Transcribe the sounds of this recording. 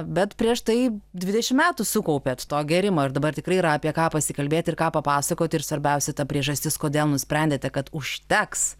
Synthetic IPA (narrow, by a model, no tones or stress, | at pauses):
bʲɛt̪pʲɾʲiɛʃt̪ɐɪd̪ʲʋʲɪd̪ʲɛʃʲɪmʲæːt̪ʊsʊkɐʊpʲeːt̪t̪oːɡʲɛːɾʲɪmoːɪɾd̪ɐbɐrt̪ʲɪkrɐɪiːɾɐɐpʲiɛkɑːpɐsʲɪkɐlʲbʲeːt̪ʲɪrkɑːpɐpɑːsɐkoːt̪ʲɪɾsʋɐɾʲbʲɛʊsʲɛt̪ɐpʲɾʲiɛʒɐsʲt̪ʲɪskoːd̪ʲeːlˠnʊsʲpʲɾʲɛnʲd̪ʲeːt̪ʲɛkɐt̪ʊʃʲt̪ʲɛks